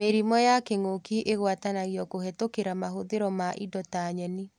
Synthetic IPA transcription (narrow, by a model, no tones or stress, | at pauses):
meɾimɔjakeŋokiʔeɣwatanaɣiɔkohɛtokeɾamaɦoðeɾɔmaʔidɔtaɲɛni